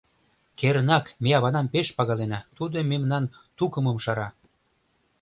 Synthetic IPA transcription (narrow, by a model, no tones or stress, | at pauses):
keɾənɑkmeɑβɑnɑmpeʃpɑɣɑlenɑt̪ud̪əmemnɑn | t̪ukə̆məmʃɑɾɑ